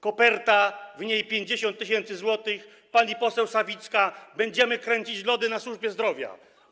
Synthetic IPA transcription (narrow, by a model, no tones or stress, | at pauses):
kɔpɛɾt̪avɲejpʲjeɲd͡ʑeɕɔ̃nt̪̚ːɨɕ̬ɛnt̪sɘzwɔt̪ɘx | paɲipɔsɛwsavʲit̪skabɛɲd͡ʑɛmɘkɾɛɲt͡ɕit͡ɕlɔd̪ɘnaswuʐbʲjɛzd̪ɾɔvʲja̰